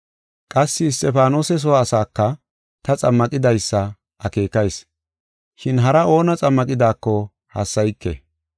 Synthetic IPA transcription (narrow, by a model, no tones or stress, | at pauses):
kʼɐsːɪːs̬t̪ʼɛfaːnoːsɛs̬ɔwaːsaːkːɐ | t̪ɐt͡sʼɐmːɐkʼɪd̪ɐjsːɐ | ʔɐke̞ːkɐjs | ʃɪnɦɐɾɐo̞ːnɐt͡sʼɐmːɐkʼɪd̪aːkːɔ | hɐ̰sːɐjkːɛ̰